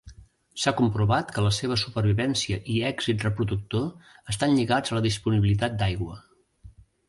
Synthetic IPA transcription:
sakumpɾuβat̪kələseβ̞əsupərβ̞iβɛnsiəʔiɛɡzit̪rəpɾuðuk̚t̪oəst̪anʎiɣad͡zələðispuniβilit̪̬at̪̚d̪ajɣwə

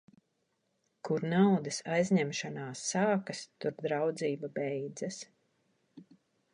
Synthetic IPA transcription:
kuɾnawd̪ɐsajzʲɲɛmʃanaːsːaːkast̪uɾd̪ɾawd̪ziːbabɛjd̪zas

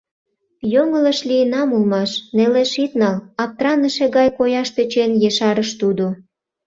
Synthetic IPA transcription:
joŋə̆lə̆ʃlijənɑmulmɑʃneleʃit̪nɑlɑp̚t̪rɑnəʃe̽ɣɑjkojɑʃt̪øt͡ɕenjeʃɑɾəʃt̪ud̪o

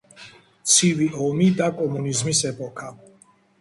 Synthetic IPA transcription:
t̪sʰiviɔmid̪akʼɔmunizmisɛpʼɔkʰa

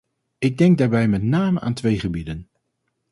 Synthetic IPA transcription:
ɪɡ̚dɛŋɡ̚daːɹbɛjmɛtnaːməʔa̰ːntʋejχəbidən

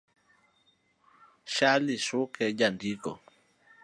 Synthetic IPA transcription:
ʃaliʃʊkʰɛd͡ʒandikɔ̰

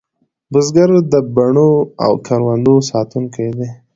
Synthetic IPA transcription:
bʊzɡaɾd̪əbaɳoa̰wkʰaɾwand̪osɑt̪unkajd̪e

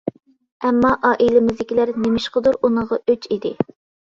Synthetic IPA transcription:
ɛmːɑʔɑːʔilɪmɪzd̪ɪkʲilæɾnemɪʃqəd̪uɾunəʁɑøt͡ʃid̪ɪ

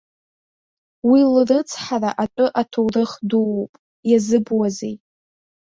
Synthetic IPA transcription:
wilrɨt͡sʰħaraʔatʼʊʔatʰowrɨχduwowpʼ | jazɨbwazej

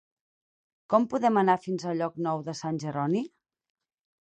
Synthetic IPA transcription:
kɔmpuðɛmənafinzəʎɔknɔwðəsanʲʒəɾɔni

